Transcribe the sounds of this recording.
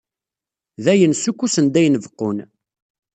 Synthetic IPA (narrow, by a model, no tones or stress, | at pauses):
ðæjənsukʷːusənd̪æjnəvqːʊn